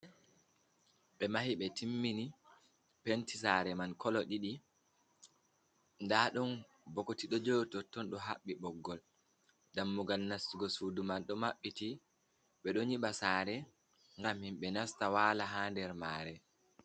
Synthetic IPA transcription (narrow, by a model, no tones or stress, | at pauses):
ɓɛmahiɓɛtʰimːini | pentisaɾɛmankʰɔlɔɗiɗi | ndaɗɔn | bɔkotiɗɔd͡ʒowtɔtːɔnɗɔɦa̰ɓːiɓɔɡːɔl | damːuɡalnasːuɡɔsudumanɗɔmaɓːiti | ɓɛɗɔɲiɓasaːɾɛ | ŋɡamhimɓɛnastawaːlaɦaːndɛɾmaːɾɛ